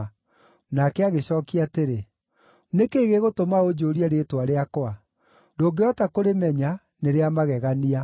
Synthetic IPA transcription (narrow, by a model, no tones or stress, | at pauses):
nakɛaɣeɕɔːkiateɾe | nekeːɣeɣotomaod͡ʒoːɾiaɾeːtwaɾeakoa | doːɡeɔtakoɾemɛɲa | neɾeamaɣɛɣania